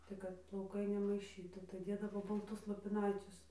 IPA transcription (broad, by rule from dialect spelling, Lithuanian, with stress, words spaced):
tɐɪ ˈkɐt plˠɐʊˈkɐɪ nʲɛmɐɪˈʃʲiːtuː tɐɪ ˈdʲeːdɐʋoː bɐlˠˈtʊs lˠoːpʲɪˈnɐɪt͡sʲʊs